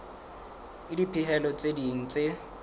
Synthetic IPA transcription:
ɪdipʰɪɦɛlɔt͡sʼediŋ̩t͡sʼe

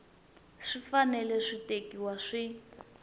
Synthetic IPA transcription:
ʂifanɛlɛʂitekiwaʂi

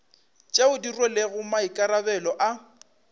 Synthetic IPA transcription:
t͡ʃʼeʊdirweleɣʊmaikʼaɾabɛlɔʔa

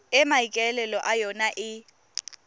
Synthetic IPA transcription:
ɛmaikʼɛlɛlɔʔajɔnaʔɪ

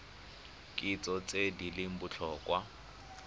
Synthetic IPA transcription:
kʼɪt͡sʼɔt͡sʼedilɪm̩bʊt͡ɬʰɔːkʼwa

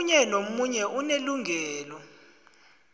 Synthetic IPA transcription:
ɲɛnomuɲɛʔuneluŋʱɛːlɔ

